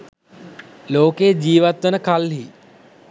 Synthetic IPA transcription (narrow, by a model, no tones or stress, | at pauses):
loːked͡ʑiːʋat̪ʋənəkalɦi